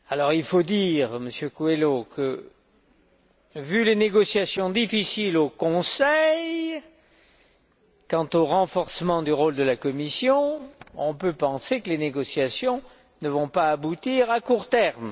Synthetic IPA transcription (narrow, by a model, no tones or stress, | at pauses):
alɔʁilfod̪iʁməsjøkwelokʰə | vyleneɡɔsjasjɔ̃d̪ifisilokɔ̃sɛj | kɑ̃t̪oʁɑ̃fɔʁsəmɑ̃d̪yʁold̪əlakɔmisjɔ̃ɔ̃pøpɑ̃sekəleneɡɔsjasjɔ̃ | nəvɔ̃paːbut̪iʁakuʁt̪ɛʁm